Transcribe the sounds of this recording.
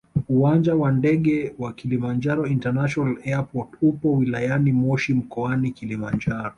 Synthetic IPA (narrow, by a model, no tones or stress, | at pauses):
uwand͡ʒawandɛɠɛwakilimand͡ʒaɾɔintɛnaʃɔnalɛapɔtupɔwilajanimɔʃim̩kɔanikilimand͡ʒaɾɔ